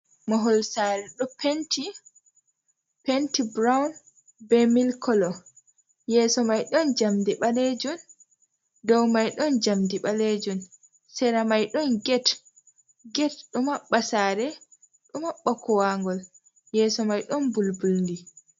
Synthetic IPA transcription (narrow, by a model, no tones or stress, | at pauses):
maɦɔlsaɾɛɗɔpenti | pentibɾawn | bɛmilkɔlɔ | jɛːsɔmajɗɔnd͡ʒamdiɓaled͡ʒun | dɔwmajɗɔnd͡ʒamdiɓaled͡ʒun | sɛɾamajɗɔnɡɛt | ɡɛtɗumaɓːasaːɾɛ | ɗumaɓːakɔwaŋɡɔl | jɛːsɔmajɗɔnbulbulnɡi